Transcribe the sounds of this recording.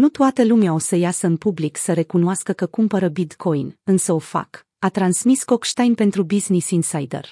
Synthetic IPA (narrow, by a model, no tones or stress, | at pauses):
nut̪oat̪əlumeao̞səjasəɨnpubliksəɾe̞kunoaskəkəkumpəɾəbid̪kʰo̞jnɨnsəo̞fa̰k | at̪ɾansmisko̞kʃt̪ajnpe̞nt̪ɾubiznisinsajd̪ḛr